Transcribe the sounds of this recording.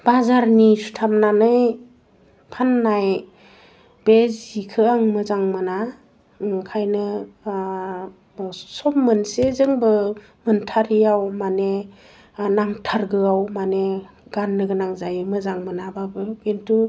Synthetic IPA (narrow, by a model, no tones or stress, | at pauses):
b̥azaɾnisu̥tʰam̚nanɯj | pʰanːaj | b̥ezikʰɯaŋmɯzaŋmɯna | kʰajnɯ | sɔmmɯnsezɯŋbɯ | mɯntʰaɾijawmane | naŋtʰaɾɡɯawmane | ɡ̥anːɯɡɯnaŋzajɯmɯzaŋmɯnababɯɡentu